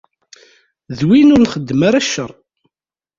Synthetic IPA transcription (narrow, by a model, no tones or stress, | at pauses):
ðwinʊɾnχəd̪ːəmaɾaʃːəɾˤ